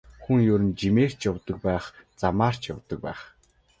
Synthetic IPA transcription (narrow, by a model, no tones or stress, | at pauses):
xuŋjʊɾɘ̆nt͡ɕimeːr̥t͡ɕjɔwt̪ə̆k̚pæːχt͡samaːr̥t͡ɕja̰wt̪ə̆k̚pæːχ